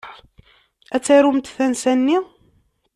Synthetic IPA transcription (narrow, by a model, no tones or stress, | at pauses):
æt͡sːæɾumt̪θænsænːi